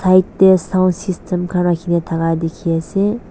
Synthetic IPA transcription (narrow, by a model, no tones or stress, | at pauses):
sʰaitːesãnsistʰemkʰanakʰinet̪ʰaɣad̪ekʰiese